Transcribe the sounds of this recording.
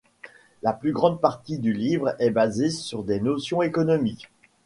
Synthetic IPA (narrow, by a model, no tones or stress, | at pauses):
laplyɡʁɑ̃d̪̚paʁt̪id̪ylivʁɛbazesyʁd̪enosjɔ̃ekɔnɔmik